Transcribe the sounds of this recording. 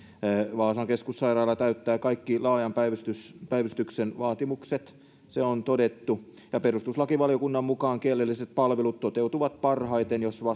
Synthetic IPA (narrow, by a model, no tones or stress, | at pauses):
ʋɑːsɑŋkeskusːɑirɑːlːˑɑt̪æyt̪ːæːkɑikːilɑːjɑmpæiʋyst̪yspæiʋyst̪yksenʋɑːt̪imukset̪ | seont̪odet̪ːu | jɑperust̪uslɑkiʋɑlijokunːɑmmukɑːŋkielːelːiset̪̚pɑlʋelut̪t̪ot̪eut̪uʋɑt̪pɑrhɑit̪enjosʋɑ